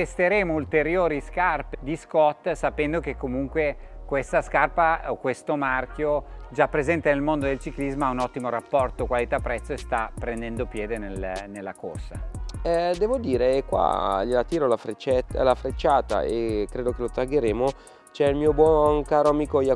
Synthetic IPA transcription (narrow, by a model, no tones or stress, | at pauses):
t̪est̪eɾeːmoult̪eɾjoːɾiskarped̪iskɔt̪ːsapɛnd̪okekːomuŋkwekwest̪askarpaokwest̪omark̟jod͡ʒapːɾezɛnt̪enelmond̪od̪elt͡ʃiklizmaaunɔt̪ːimoɾapːɔrt̪okwalit̪apːɾɛt̪sːoest̪apːɾend̪ɛnd̪opjɛːd̪enelnelːakorsa̰ɛd̪ɛːvod̪iːɾekwa̰ʎelat̪iːɾolafɾet͡ʃlafɾet͡ʃːaːt̪a̰ekːɾeːd̪okelot̪aɡeɾeːmo | t͡ʃɛilmiːobwɔnkaːɾoamiːkoja